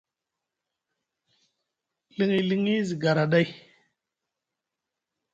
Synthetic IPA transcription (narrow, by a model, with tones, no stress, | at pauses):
li˦ŋi˨li˦ŋi˦zi˨ɡa˨ɾa˨ɗa˦j